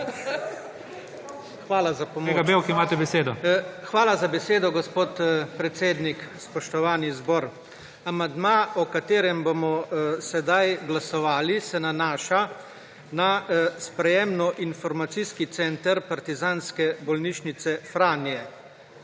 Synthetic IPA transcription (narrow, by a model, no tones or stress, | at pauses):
xʋaːlazapɔmɡabewkimaːt̪ɛbɛseːd̪ɔxʋaːlazabɛseːd̪ɔɡɔspoːt̪pɾɛt̪seːd̪nikspɔʃt̪ɔʋaːnizbɔːɾ | amand̪maːɔkat̪eːɾɛmbomɔsɛd̪ajɡlasɔʋaːlisɛnanaːʃa | naspɾɛjeːmnɔʔinfɔɾmat̪siskit̪sɛnt̪əɾpaɾt̪izaːnskɛbɔlniʃnit̪sɛfɾaːnijɛ